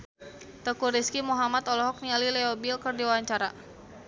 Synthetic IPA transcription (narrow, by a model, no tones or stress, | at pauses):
t̪əkuɾiskimuɦamat̪ɔlɔɦɔk̚nialilɛɔbilkərdiwawaɲt͡ʃaɾa